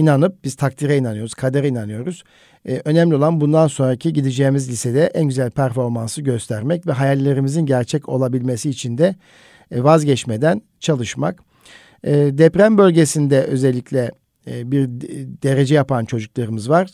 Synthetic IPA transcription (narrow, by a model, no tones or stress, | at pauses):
inanɯp̚biz̥t̪ʰak̚t̪ʰiɾɛinanɯjo̞ɾuz̥kʰad̪eɾɛinanɯjo̞ɾuz̥ | ʔø̞nɛmlʲio̞lˠanbund̪anso̞nɾacʰiɟid̪id͡ʒeːmizlʲised̪ɛʔænɟyzælʲpʰæɾfo̞ɾmansɯɟø̞st̪ʰæɾmɛcvɛɦajalʲːe̞ɾimizinɟæɾt͡ʃʰɛco̞̰lˠabilʲme̞siːt͡ʃʰind̪ɛ | vazɟɛt͡ʃmed̪æn | t͡ʃʰalˠɯʃma̰kː | d̪ɛpɾæmbø̞lʲɟe̞sind̪ɛʔø̞zɛlʲːiclʲɛ | biɾd̪e̞ɾe̞d͡ʒɛjapʰant͡ʃʰo̞d͡ʒuklˠaɾɯmɯzvaɾ̥